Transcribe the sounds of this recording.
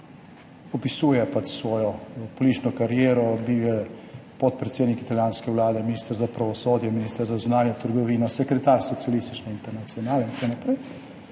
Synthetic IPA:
ɔpisuːjɛpat͡ʃsʋɔːjɔpoliːt͡ʃnɔkaɾjeːɾɔbiːwjɛpɔt̪̚pɾet̪seːd̪nikit̪aljaːnskɛwlaːd̪ɛminist̪əɾzapɾaʋɔsoːd̪jɛminist̪əɾzaznaːnjɛt̪əɾɡɔʋiːnɔsɛkɾɛt̪aːɾsɔt̪sialist̪it͡ʃnɔint̪ɛɾnat̪siɔnaːlnint̪kɐwnapɾɛj

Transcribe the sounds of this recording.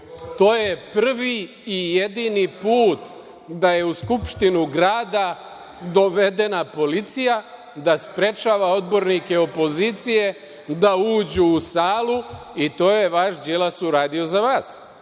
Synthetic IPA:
t̪o̞ːje̞pr̩ʋiː | je̞d̪inipuːt̪ | d̪aje̞uskupʃt̪inuɡɾaːd̪a | d̪o̞ʋe̞d̪e̞napo̞lit̪sija | d̪aspɾe̞t͡ʃaːʋao̞d̪bo̞ɾnike̞o̞po̞zit̪sije̞ | d̪auːd͡ʑuːsaːlˠuit̪o̞ːje̞ʋaʃd͡ʒelasuɾaːd̪io̞zaʋaːs

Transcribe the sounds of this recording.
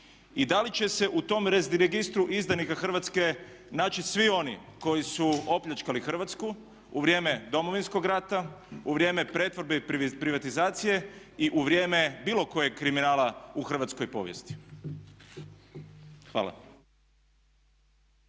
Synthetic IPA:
id̪alit͡ɕe̞se̞ʔut̪o̞mɾezɾeɡist̪ɾuʔizd̪anikaxr̩ʋat̪ske̞ | naːt͡ʃisʋio̞nḭko̞jisuo̞pʎat͡ʃkalixr̩ʋat̪sku | uʋɾje̞ːme̞d̪o̞mo̞ʋinsko̞ɡɾat̪auʋɾje̞ːme̞pɾe̞t̪ʋo̞ɾbepɾiʋat̪izaːt̪sije̞ | iʔuʋɾje̞ːme̞biːlo̞ko̞jekɾiminaːlauxr̩ʋat̪sko̞jpo̞ːʋjḛst̪i̥ | xʋa̰ːlˠa̰

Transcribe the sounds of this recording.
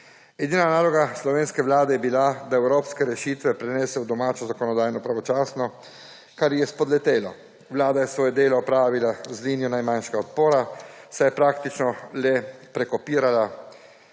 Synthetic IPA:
ɛd̪iːnanaːlɔɡaslɔʋeːnskɛʋlaːd̪ɛjɛbilad̪aɛwɾoːpskɛɾɛʃiːt̪ʋɛpɾɛnɛsɛwd̪ɔmaːt͡ʃɔzakɔnɔd̪aːjnɔpɾaʋɔt͡ʃaːsnɔ | kaɾjɛspɔd̪lɛt̪eːlɔ̰ | ʋlaːd̪ajɛsʋoːjɛd̪eːlɔɔpɾaːʋilazliːnijɔnajmanʃɛɡaɔt̪̚poːɾasajɛpɾaːkt̪it͡ʃnɔlɛpɾɛkɔpiːɾala

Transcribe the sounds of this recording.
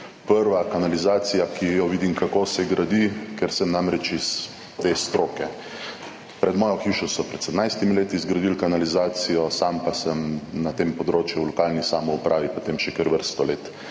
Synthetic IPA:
pəɾʋakanalizaːt̪sijakijɔʋiːd̪imkakosɛɡɾad̪ikɛɾsəmnamɾɛt͡ʃiz̥ | d̪ʋeːst̪ɾoːkɛ | pɾɛd̪mɔːjɔxiːʃɔsɔpɾɛt̪sɛd̪najst̪imileːt̪izɡɾad̪ilkanalizaːt̪sijɔsampasəmnat̪empɔd̪ɾoːt͡ʃjulɔkalnisaːmɔupɾʔaːʋipot̪emʃɛkəɾʋəɾst̪ɔleːt̪

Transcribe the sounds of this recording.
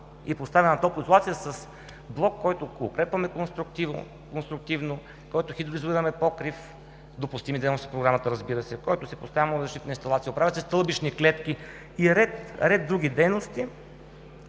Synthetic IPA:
ipost̪avʲɐnɐt̪ɔlˠkoint̪lˠat̪sijəsɐs | blˠɔkːɔjt̪ʊʊkɾɛpvɐmɛkonst̪ɾukt̪iv̰ | konst̪ɾʊk̚t̪ivno | kɔjt̪ʊxid̪ɾizuiɾɐmɛpɔkɾif | d̪opʊst̪imid̪ɛjnsi̥fpɾoɡɾamət̪əɾɐzbiɾəsɛkɔjt̪ʊsɛpost̪avʲɐmozɐʃt̪it̪nəinst̪ɐlˠat̪siopɾavʲjət̪sɛst̪ɤlˠbit͡ʃniklɛt̪k̟i | iɾɛt̪ɾɛd̪d̪ːɾuɡ̟ʲid̪ɛjnost̪i

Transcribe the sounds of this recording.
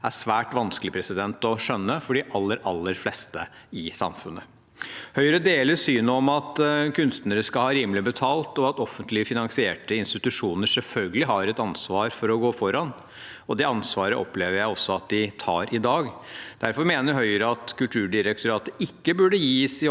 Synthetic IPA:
æʂʋæːʈʋɑnsklɪpʰɾɛsɪd̪ɛnt̪ɔʂœnːəfɔɖiʔɑlːəɾʔɑlːəɾflɛst̪ə | ɪsɑ̰mfʉnə | hœʏɾəd̪eːləɾsyːnəɔmɑt̪kʰʉnst̪nəɾəskɑlhɑːɾiːmlɪbət̪ʰɑːlt̪ɔɑt̪ɔfːənt̪lɪəfɪnɑŋsɪeːʈəɪnst̪ɪt̪ʉʂuːnəʂɛlfœlɡəlɪɦɑɾɛt̪ɑnsʋɑːɾfɔɾɔɡoːfɔɾɑn | ɔd̪ɛɑnsʋɑːɾəʔɔ̰pleːʋəɾjæɪɔsːɔɑt̪̚d̪ɪt̪ʰɑ̰ːɾʔɪd̪ɑːɡd̪̥æɾfɔɾmeːnəɾɦœʏəɾəɑt̪kʉlt̪ʰʉːɖɪɾɛk̚t̪ʊɾɑːt̪əɪkːəbʉɖəjiːsɪ

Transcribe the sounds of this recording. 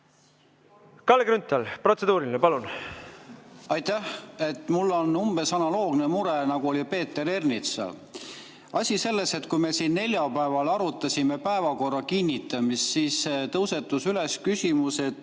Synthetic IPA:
kɑlːeɡɾynt̪ːˑɑlpro̞t̪se̞d̪uːɾilinepɑlun | ɑjt̪æhe̞t̪ːmulːo̞numb̥e̞sɑnɑlo̞ːɡ̥nemuɾenɑɡ̥uo̞lʲipe̞ːt̪ːˑe̞ɾe̞rnit̪sɑ̰l | ɑsʲise̞lːe̞se̞t̪kujme̞sinːe̞lʲjɑpæe̞vɑlɑɾut̪ːˑɑsʲime̞pæe̞vɑko̞rːɑkinʲːit̪ːˑɑmist̪siːset̪ɤwse̞t̪ːˑusyle̞skysʲimuse̞t̪

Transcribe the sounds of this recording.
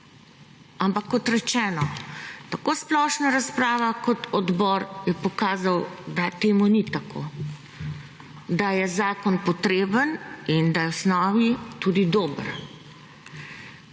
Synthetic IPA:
ampakːɔt̪ɾɛt͡ʃɛːnɔt̪akoːsplɔʃnaɾaspɾaːʋakɔt̪ʰɔd̪bɔːɾjɛpɔkaːzawd̪at̪eːmunit̪akʰo̰ | d̪ajɛzaːkɔnpɔt̪ɾeːbənind̪ajɛwsnɔːʋit̪uːd̪id̪oːbəɾ

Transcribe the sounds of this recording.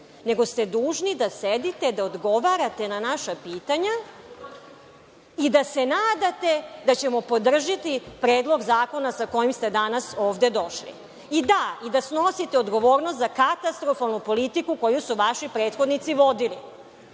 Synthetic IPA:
ne̞ɡo̞st̪e̞d̪uːʒnid̪ased̪it̪e̞d̪aod̪ɡo̞ʋaɾat̪e̞nanaʃapiːt̪aɲa | id̪ase̞naːd̪at̪e̞d̪at͡ɕe̞mo̞pod̪r̩ʒit̪ipɾeːd̪lˠo̞ɡzaːko̞nasako̞jimst̪ed̪anasoːʋd̪e̞d̪o̞ʃlḭ | id̪aid̪asnosit̪eod̪ɡo̞ʋo̞ːɾnost̪zakat̪ast̪ɾo̞falˠnupo̞lit̪ikuko̞jusuʋaʃipɾe̞ːt̪xo̞d̪nit̪siʋo̞d̪ili

